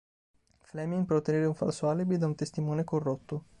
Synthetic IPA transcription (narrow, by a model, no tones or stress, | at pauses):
flɛmiŋpɾot̪ːeneːɾeuɱfa̰lsoalːibid̪aunt̪est̪imɔːnekorːot̪ːo